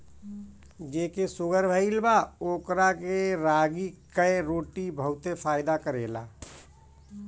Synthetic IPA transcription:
d͡ʒeːkesʊɡəɾbʱəilbaoːkɾakeɾaːɡikəeɾoːʈibʱəɦʊt̪efʰaːjd̪akəɾḛːla̰ː

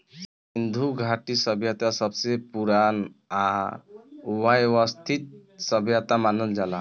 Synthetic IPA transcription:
s | ind̪ʱuɡʱaʈisʌbʱjat̪asʌbsepuɾana | uwajʋʌst̪ʰit̪̚sʌbʱjat̪amanəld͡ʒala

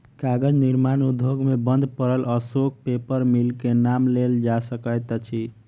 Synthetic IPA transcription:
kaɡəd͡ʒniɾmanud̪ʱːoɡmebənd̪ʱpəɾələsok̚pepəɾmilkenamleld͡ʒasəkəjt̪t͡ʃʰi

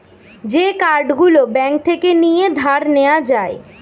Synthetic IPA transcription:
d͡ʑekaɾɖɡulobɛŋk̚t̪ʰekenijed̪ʱaɾnead͡ʑae

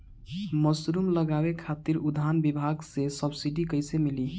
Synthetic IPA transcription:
məsɾumləɡabekʰat̪iɾud̪ʱanbibʱaɡsesəbsiɖikəjsemili

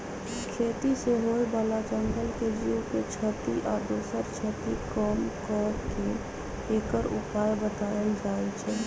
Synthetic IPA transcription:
kʰet̪iseɦoebalat͡ʃəŋɡəlked͡ʒiukot͡ʃʰət̪iʔad̪oːsəɾt͡ʃʰət̪ikɔmkɔɾkeː | kəɾṵpaːlbət̪aəld͡ʒaet͡ʃʰɛː

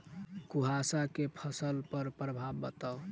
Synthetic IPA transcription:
kuɦasakepʰəsəlpəɾpɾəbʱabːət̪əw

